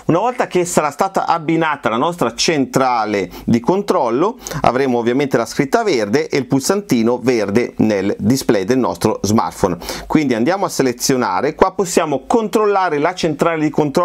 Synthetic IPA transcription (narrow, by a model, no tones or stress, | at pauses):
unavɔlt̪ak̟esaɾast̪aːt̪a̰ʔabːinaːt̪alanɔst̪ɾat͡ʃent̪ɾaːled̪ikont̪ɾɔlːoa̰vɾeːmoːvːjament̪elaskɾit̪ːaverd̪eʔeilpulsant̪iːnoverd̪eneld̪isplɛjd̪elnɔ̰st̪ɾozma̰rt̪fonkwind̪iand̪jaːmoasːelet̪sːjona̰ːɾekwapːosːjaːmokont̪ɾolːaːɾelat͡ʃent̪ɾaːled̪ikont̪ɾɔ